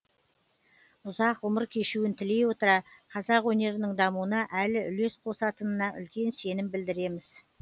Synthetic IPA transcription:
ʊzɑqʊməɾkʲʰe̞ʃuwɪnt̪ʰɪle̞jwo̞t̪əɾɑqʰɑzɑqwɵne̞ɾɪnɪŋd̪ɑmuənɑʔælɪʔʏle̞sqʰo̞sɑt̪ənənɑʔʏ̰lkʲe̞nse̞nɪmbɪld̪ɪɾe̞mɪz̥

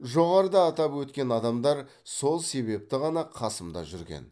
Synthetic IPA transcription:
ʒo̞ʁɑɾəd̪ɑːt̪ɑpwɵt̪kʲe̞nɑd̪ɑmd̪ɑɾ | so̞lˠse̞βe̞p̚t̪ɪʁɑnɑqʰɑsəmd̪ɑ̰ʒʏɾɡʲḛn

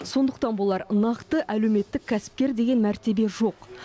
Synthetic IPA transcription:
so̞nd̪əqt̪ɑnbolˠɑɾnɑqt̪əʔæle̞wme̞t̪ːɪkʲʰːæsɪ̥p̚kʲe̞ɾd̪e̞ɡʲe̞nmæɾt̪e̞be̞ʒo̞q

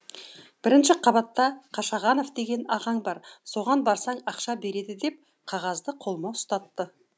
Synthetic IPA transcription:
b̥ɪɾɪnʃɪqʰɑbɑt̪ːɑqʰɑʃɑʁɑno̞fd̪e̞ɡʲe̞nɑʁɑɴbɑɾso̞ʁɑnbɑɾsɑɴɑqʃɑbe̞ɾe̞d̪ɪd̪e̞p̚ | qʰɑʁɑzd̪əqʰo̞lˠmɑwʊst̪ɑt̪ːə

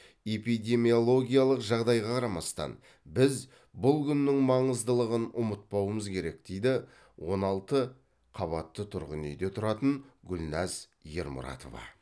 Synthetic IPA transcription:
e̞pijd̪ʲe̞mijo̞lˠo̞ɡʲijɑlˠəqʒɑʁd̪ɑjʁɑqʰɑɾɑmɑst̪ɑ̰n | bɪz | bʊlˠkʲʰʏnːɪŋmɑɴəzd̪əlˠəʁənʊmət̪̚pɑwəməzkʲʰe̞ɾe̞kd̪̥e̞jd̪ɪ | wo̞nɑlˠt̪ə | qʰɑβɑt̪ːət̪ʰʊɾʁənejd̪e̞t̪ʰʊɾɑt̪əɴɡʲʏlʲnæz | je̞̰ɾmʊ̰ɾɑ̰t̪o̞̰vɑ̰

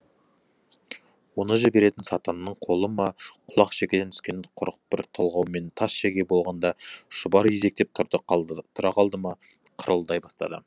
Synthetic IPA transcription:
wo̞nəʒɪbe̞ɾe̞t̪ɪnsɑt̪ɑnːəɴqʰo̞lˠəmɑqʰʊlˠɑqʃekʲed̪ent̪ʰʏ̥skʲe̞nqʰʊɾqbɪɾt̪ʰolˠʁɑwme̞nt̪ʰɑsʃeɡʲe̞bo̞lˠʁɑnd̪ɑʃʊbɑɾje̞ze̞k̚t̪e̞p̚t̪ʰt̪ʰʊɾɑqʰɑlˠd̪əmɑ | qʰəɾʔəlˠd̪ɑjbɑst̪ɑ̰d̪ə̰

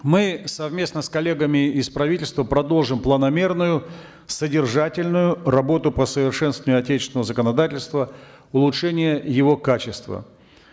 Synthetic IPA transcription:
mɨsɐvmʲe̞snəskɐlʲe̞ɡəmʲɪɪspɾɐvʲitʲɪlʲst̪vəpɾɐd̪o̞lˠʐɨmplˠənɐmʲe̞rnʊjʊ | sədʲɪrʐatʲɪlʲnʊjʊrɐbo̞t̪ʊpəsəvʲɪrʂɛnst̪vənʲjʊɐtʲet͡ɕɪ̥sʲɪnəvəzəkənɐd̪atʲɪlʲst̪və | ʊlˠʊtʂɛnʲɪjəjɪvo̞kat͡ɕɪst̪və̰

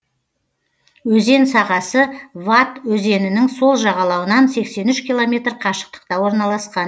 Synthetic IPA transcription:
wɵze̞nsɑʁɑsəvat̪wɵze̞nɪnɪŋso̞lˠʒɑʁɑlˠɑwənɑnse̞kse̞nʏʃkʲilˠo̞mʲe̞t̪rqʰɑʃə̥q̚t̪ə̥qt̪ɑwo̞ɾnɑlˠɑsqɑn

